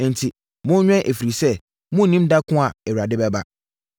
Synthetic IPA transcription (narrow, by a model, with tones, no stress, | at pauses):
n̩˨tʰi˨ | mʊ̃˦ɲᶣɛ̃˦ʔe˨fi˨ɾi˨sɛ˦ | mʊ̃˦˨nĩ˦mda˦kʰʊ̃˦a˨ɛ˨ɥɾa˨dɪ˦bɛ˦ba˦